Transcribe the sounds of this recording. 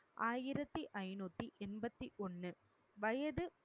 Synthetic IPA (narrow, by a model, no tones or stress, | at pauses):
ʔaːjɪɾɐt̪ːiʔɐɪnuːt̪ːiʔɛnbɐt̪ːiʔɔnːɯ | ʋɐjɐðɯ